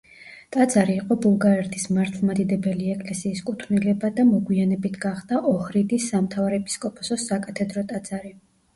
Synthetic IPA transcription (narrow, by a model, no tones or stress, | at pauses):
t̪ʼad̪zaɾiːqʼɔbulˠɡaɾɛɾt̪ʰismaɾt̪ʰlˠmad̪id̪ɛbɛliɛkʼlɛsiːskʼut̪ʰnilɛbad̪amɔɡwianɛbit̪ʰɡaχd̪aʔɔhɾid̪isːamt̪ʰavɾɛɛpʼi̥skʼɔpʼɔsɔsakʼat̪ʰɛd̪ɾɔt̪ʼad̪z̥aɾi